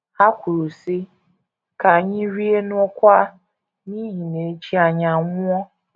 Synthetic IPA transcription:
a˦kʷu˨ɾu˨si˦ | ka˨ɲɪ˦ɾi˦e˦nʊ˦ɔ˦kʷa˦ | ni˦ɦi˨ne˨˦t͡ʃi˦a˨ɲa˨ŋʊ˦ɔ˦

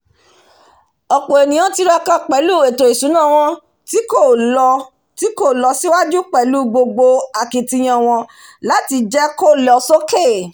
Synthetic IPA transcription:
ɔ˨k͡po˨e˨nĩ˨j̃ã˦ti˧ɾa˧kã˦k͡pɛ˨˦lu˦˨e˨to˨i˨sũ˨˦nã˦˨w̃ɔ̃˧ | ti˦ko˦˨ɔ˧ | ti˦ko˦˨lɔ˧si˦wa˦d͡ʒu˦k͡pɛ˨lu˦ɡ͡bo˧ɡ͡bo˧a˨ki˨ti˧j̃ã˧w̃ɔ̃˧ | la˨˦ti˧d͡ʒɛ˦ko˦˨lɔ˨˧so˦ke˦˨

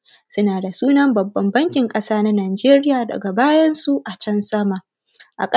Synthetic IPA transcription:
sʊ˦naː˨da˨suː˦nɐ˦mbɐ˨bːɐ˨mbɐ˦ŋkʲɪ˨ŋkʼɐ˦saː˦na˦naː˨d͡ʒeː˦ɾɪ˦jaː˨dɐ̰˨ɡa˨baː˦jɐ˦nsu˦ʔa˨t͡ʃɐ˦nsɐ˦ma˨ | ʔa̰˨kʼ

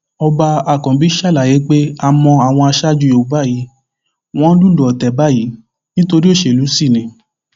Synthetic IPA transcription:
ɔ˧ba˧a˨kɔ̃˨bi˨˦ʃa˦la˨je˨˦k͡pe˦a˦mɔ̃˧a˨w̃ɔ̃˧a˧ʃa˦d͡ʒu˧jo˨ba˦˨ji˨˦ | w̃ɔ̃˦lu˦lu˨ɔ˨tɛ˨ba˦˨ji˨˦ | nĩ˦to˧ɾi˦o˦˨ʃe˧˨lu˨˦si˦˨nĩ˨

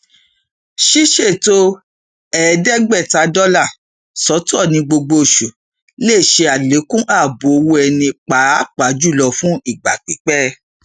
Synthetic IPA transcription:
ʃi˦ʃe˦˨to˧ | ɛ˨dɛ˦ɡ͡bɛ˦˨ta˨˦dɔ˦la˦˨ | sɔ˨˦tɔ˦˨nĩ˧ɡ͡bo˧ɡ͡bo˧˨ʃu˨ | le˦˨ʃe˧a˨le˨˦kũ˦ʔa˦˨bo˨o˧wo˧˦ɛ˧nĩ˧k͡pa˨˦˨k͡pa˨˦d͡ʒu˦˨lɔ˧fũ˦i˦˨ɡ͡ba˨k͡pi˨˦k͡pɛ˦

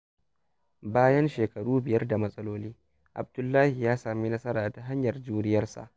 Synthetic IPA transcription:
baː˦jɐ˦nʃeː˨kɐ˨ɽuː˦bɪ˨jɐ˦rda˨mɐ˦sʼɐ˦loː˦liː˦ | ʔa̰˨b̚dʊ˨lːaː˦hi˨jaː˦saː˨mi˦nɐ˦sɐ˦ɾaː˨ta˨ɦa˦ɲjɐ˨rd͡ʒuː˦nɪ˦jɐ˦rsa̰˨ʔ

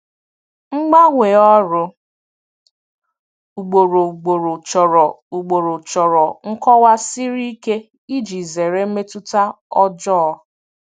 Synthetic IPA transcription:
ŋ͡m̩˦ɡ͡ba˦ŋʷe˨ɔ˦ɾʊ˦ | u˨ɡ͡bo˨ɾo˨ɡ͡bo˨ɾo˨t͡ʃɔ˨ɾɔ˨ | u˨ɡ͡bo˨ɾo˨t͡ʃɔ˨ɾɔ˨ŋ̩˦kɔ˦wa˦si˦ɾi˦i˦ke˦ | i˦d͡ʒi˨ze˨ɾe˦m̩˦me˦tu˦ta˦ | ɔ˦d͡ʒɔ˦

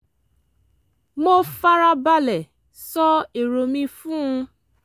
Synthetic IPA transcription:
mo˦fa˦ɾa˧ba˧lɛ˨ | sɔ˦e˨ɾo˨mĩ˧fũ˦ũ˧

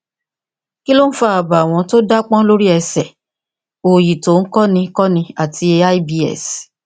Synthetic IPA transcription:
ki˦lo˦n̩˦fa˦a˨ba˨w̃ɔ̃˧to˦da˦k͡pɔ̃˦lo˦ɾi˦ɛ˧sɛ˨ | o˨ji˨to˨˦n̩˦kɔ˦nĩ˧kɔ˦nĩ˧a˨ti˧e˧a˦i˦bi˧˦ɛ̰˦˨s

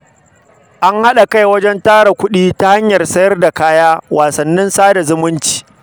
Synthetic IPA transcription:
ʔa˦ŋha˦ɗa˨ka˦jwɐ˦d͡ʒɛ˦ntaː˦ɽa˨kʷʊ˦ɗiː˦ta˦ha˦ɲjɐ˨rsɐ˦jɐ˦rda˨kaː˦jaː˦waː˨sɐ˨nːɪ˦nsaː˦da˨zʊ˦mʊ˦nt͡ʃi̥ː˨

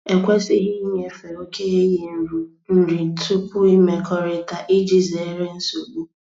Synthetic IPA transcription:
e˨kʷe˦si˦ɦi˦ɲe˨fe˨ɾo˦ke˦ɣe˦je˨n̩˨ɾu˨ | n̩˦ɾi˨tu˦kʊ˦i˦me˨kʰɔ˦ɾɪ˦ta˨ʔɪ˦d͡ʒi˦ze˨˦ɾe˦n̩˦so˨ɡ͡bu˦

